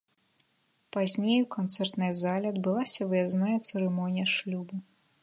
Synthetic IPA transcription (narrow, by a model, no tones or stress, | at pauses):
pazʲnʲejukant̪sɛrt̪nɐjɐzalʲɛɐd̪bɨlˠasʲɐvɨjaznajɐt̪sɛɾɛmɔnʲijɐʂlʲubɨ